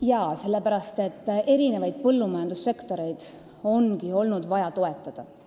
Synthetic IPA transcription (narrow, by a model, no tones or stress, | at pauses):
jɑːse̞lːe̞pæɾɑst̪e̞t̪ːe̞ɾinevɑjd̪̥̚pɤlːumɑjɑnd̪̥usːe̞kt̪o̞ɾe̞jd̪̥ | o̞nkio̞lnud̪vɑjɑt̪o̞e̞t̪ːˑɑd̪̥ɑ